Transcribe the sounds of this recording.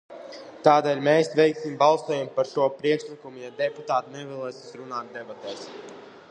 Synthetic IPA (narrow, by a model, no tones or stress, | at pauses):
t̪aːd̪ɛːlʲmeːsvʲɛjksimbalˠsuɔjampaɾʃuɔpɾiɛkʃlˠikumujad̪ɛput̪aːt̪inɛvɛlˠɛːsʲi̥sɾunaːt̪̚d̪ɛbat̪ɛːs